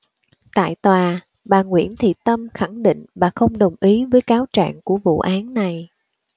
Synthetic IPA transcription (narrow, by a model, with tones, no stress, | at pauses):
t̪a̰ː˧˨jt̪waː˨˩ | ɓaː˨˩ŋwḭ˧˩ənt̪ʰḭ˧˨˩t̪ə˧mxa˧˩ŋɗḭ˧˨ŋ̟vaː˨˩xə˧wŋ͡mɗə˨˩wŋ͡mʔi˨˦vəː˨˦jkaː˨˦wt͡ɕa̰ː˧˨ŋku˧˩əvṵ˧˨ʔaː˨˦nːa˨˩j